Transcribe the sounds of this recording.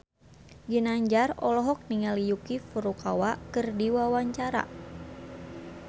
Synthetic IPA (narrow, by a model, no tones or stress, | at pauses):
ɡinaɲd͡ʒarɔlɔɦɔk̚niŋalijukifuɾukawakɨrdiwawaɲt͡ʃaɾa̰